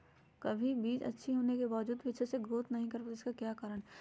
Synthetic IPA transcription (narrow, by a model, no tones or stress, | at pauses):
kɐbʱibiːd͡ʒɐ̰tːʃʰiɦoːnekebaːʋəd͡ʒuːd̪ʋɪʃseɡɾoːt̪nɐɦĩkɐɾpaɪskakjaːkaːɾəɽ̃